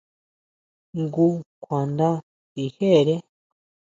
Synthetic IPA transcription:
ŋɡu˦kʷʰa˨nd̪a˦ | i˨he˦˨ɾe˦

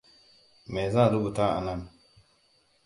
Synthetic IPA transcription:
mɛ˨zã˦˨lu˦bu˨ta˦a̰˨na˦˨n

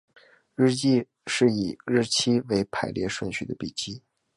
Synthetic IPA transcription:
ɻɻ̩˥˧t͡ɕi˥˧ | ʂɻ̩˥˩i˨˩ɻɻ̩˥˩t͡ɕʰi˥we˧˥ɪpʰa˨˩ɪljɛ̰˥˧ʂwə˥˩nt͡ɕʰy˥˩d̪ə˧pi˨˩t͡ɕi˥

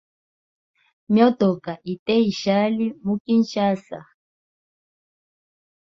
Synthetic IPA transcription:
mjɔ˦tɔ˨ka˨ʔi˨tɛ˦i˨ʃa˦li˦mu˦ki˦n̩˦ʃa˦sa̰˨

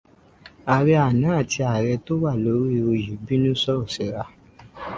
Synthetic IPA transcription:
a˨ɾɛ˧a˨nãː˨˦˨ti˧a˨ɾɛ˧to˦wa˦˨lo˨˧˦ɾi˦˧o˧ji˨bi˦nũ˦sɔ˦ɔ˦˨sɛ˨˦ɾa˧

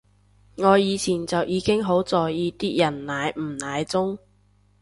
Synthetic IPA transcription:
ŋɔː˨˧jiː˨˧t͡sʰiː˨˩nt͡sɐ˨wjiː˨˧kɪ˥ŋɦo˨˥wt͡sɔː˨jiː˨˧t̪iː˥jɐ˨˩nnaː˨˧jm̩˨˩naː˨˧jt͡sʊ˥ŋ

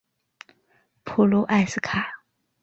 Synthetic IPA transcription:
pʰu˨˩lu˥ʔa˥˧ɪsɨ˥˧kʰa˥˩

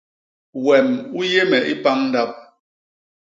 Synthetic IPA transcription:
wɛ˨mu˦je˦mɛ˨ʔi˦pa˦ŋn̩˦da˦p̚

